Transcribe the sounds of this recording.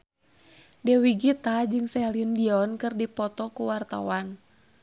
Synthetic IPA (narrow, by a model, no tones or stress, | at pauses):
dɛwiɡit̪ad͡ʒɨŋsɛlindiɔnkɨrdipɔt̪ɔkuwart̪a̰wan